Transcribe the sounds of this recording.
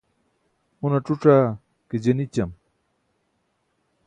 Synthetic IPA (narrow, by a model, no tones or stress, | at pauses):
unɐʈ͡ʂuʈ͡ʂaː | ked͡ʑenit͡ɕɐm